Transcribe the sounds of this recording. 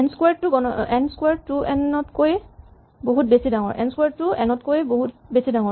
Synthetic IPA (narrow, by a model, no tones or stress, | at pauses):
ɛnskwaɹtʊɡɔnɔɛnskwaɹtuʔɛnɔtkoj | boɦut̚besidaŋɔ̰ɹʔɛ̰nskwaɹtʊɛnɔtkojboɦut̚besidaŋɔɹ